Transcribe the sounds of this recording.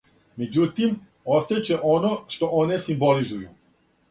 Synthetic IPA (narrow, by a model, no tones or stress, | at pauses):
med͡ʑut̪im | ost̪et͡ɕeʔonoʃt̪oonesimbolizuju